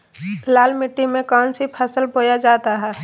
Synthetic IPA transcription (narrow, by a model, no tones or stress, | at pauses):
laːlmɪʈːimẽkɔːnsipʰəsəlboːjad͡ʒaːt̪aɦɛː